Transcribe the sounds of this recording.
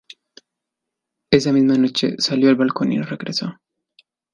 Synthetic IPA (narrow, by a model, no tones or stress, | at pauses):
es̬amizmanot͡ʃːḛsaljoelbalkonḭnrekɾesa